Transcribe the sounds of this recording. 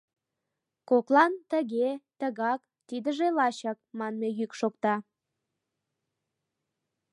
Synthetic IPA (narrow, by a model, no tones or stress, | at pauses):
koklɑnt̪əɣet̪əɣɑk | t̪id̪əʒelɑɕɑk̚mɑnmejykʃokt̪ɑ